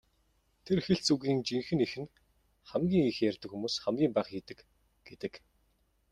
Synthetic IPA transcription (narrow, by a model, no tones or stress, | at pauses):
t̪ʰerxɘ̆ɬt͡suɣiːŋt͡ɕiŋxɘ̆nixɘ̆n | χæmɡʲiːŋixjærʲt̪ɘ̆kxumuːsχæmɡʲiːmpæːχiːt̪ɘ̆k | ɡ̥et̪ɘ̆k